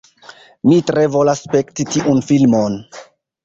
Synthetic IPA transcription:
mitɾe̞vo̞lasːpe̞ktitiʔunfilmon

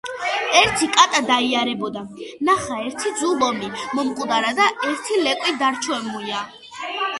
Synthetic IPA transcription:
ɛɾt̪ʰikʼat̪ʼad̪aiaɾɛbɔd̪anaχaɛɾt̪ʰid̪zulɔmimɔmqʼud̪aɾad̪aɛɾt̪ʰilɛkʼwid̪aɾt͡ʃʰwɛmuia

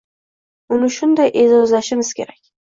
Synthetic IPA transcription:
ʊnɪʃʊnd̪ajʔe̞d͡ʒɒzlaʃɪmɪz̥kʲe̞ɾakʲ

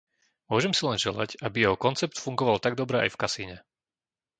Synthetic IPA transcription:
mʊɔʒɛmsilɛnʒɛla̰cabijɛɦɔkɔnt͡sɛp̚t̪fuŋɡɔʋalt̪aɡ̚d̪ɔbɾɛʔa̰jfkasiːɲɛ

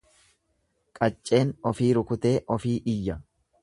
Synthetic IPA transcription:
kʼɐt͡ʃʼːe̞ːnɔfiːɾʊkʊt̪e̞ːʔɔfiːʔɪjːɐ

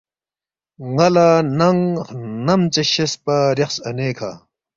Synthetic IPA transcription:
ŋɐlanɐŋnɐmt͡seɕispɐɾeχsɐneːkʰa̰ː

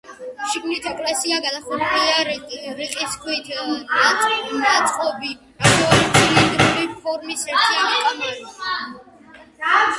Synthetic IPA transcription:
ʃiɡmnit̪ʰɛkʼlasiaɡad̪aχuɾiaɾʼɾiqʼiskʰwit̪ʰiamat̪sʼqʼɔbi | aχʰɔlid̪ɾlipʰɔɾmisɛɾt̪ʰiamit̪ʼmɛli

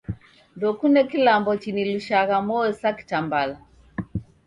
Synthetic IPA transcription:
ndɔkunɛkilambɔt͡ʃiniluʃaɣamɔɛsaki̥tambala

